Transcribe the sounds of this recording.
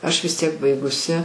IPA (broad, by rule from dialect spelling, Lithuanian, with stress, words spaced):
ˈɐʃ ʋʲɪs ˈtʲiɛk ˈbɐɪɡʊsʲɪ